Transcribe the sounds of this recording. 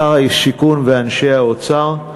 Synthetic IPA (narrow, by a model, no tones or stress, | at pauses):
aʁaiʃikunveanʃehaot͡saʁ